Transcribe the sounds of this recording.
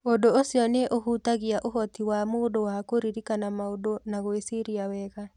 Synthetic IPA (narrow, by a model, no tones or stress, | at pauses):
odoosjɔneʔohutaɣiaʔoɦɔtiwamoːdowakoɾiɾikanamaodonaɣoesiɾiawɛɣa